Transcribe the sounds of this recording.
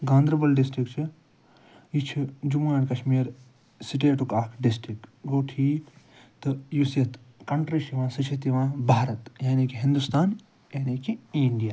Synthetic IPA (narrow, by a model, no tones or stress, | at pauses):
ɡãːnd̪ɾɐbɐlɖɪsʈɾikt͡ʃʰi | jit͡ʃʰid͡ʒumaːnkɐʃmiːɾ | siʈ̬eːʈukaːkʰɖɪsʈɾikɡoːʈʰiː | t̪ɨjusɐt̪kɐɳʈɾiʃiʋãːsɐt͡ʃʰit̪iʋãːbʱaːɾɐt̪jaːnikiɦĩnd̪ust̪aːn | jaːniːkiĩɳɖijaː